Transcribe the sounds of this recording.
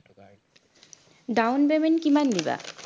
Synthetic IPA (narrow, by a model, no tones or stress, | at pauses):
ɖawnbemenkimand̪iba̰